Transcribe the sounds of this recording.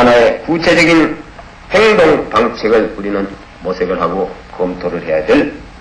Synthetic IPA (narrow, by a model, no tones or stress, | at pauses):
anaekut͡ɕʰed͡ʑʌɡin | heŋdoŋpaŋt͡ɕʰeɡɯɭuɾinɯn | mosʰeɡɯɭɦaɡokʌmtʰoɾɯɭɦe̞jadwel